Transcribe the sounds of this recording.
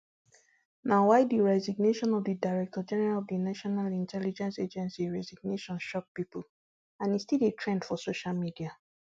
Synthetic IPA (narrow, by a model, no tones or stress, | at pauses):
nawaɪdiɹɛziɡneʃɔ̃nɔvdidaɪɹɛk̚tɔd͡ʒɛnɛɹalɔvdinaʃɔnalĩntʰɛlid͡ʒɛ̃nsed͡ʒɛ̃nsiɹɛziɡ̚neʃɔ̃nʃɔk̚pipul | ãnistiletʰɹɛ̃ndfɔsoʃalmidia